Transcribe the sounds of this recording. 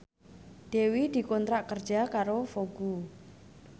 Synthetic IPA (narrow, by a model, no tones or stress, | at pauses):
d̪̥ewid̪̥i̤kɔnt̪ɾaʔkərd̥ʒ̥a̤kaɾofoɡ̥u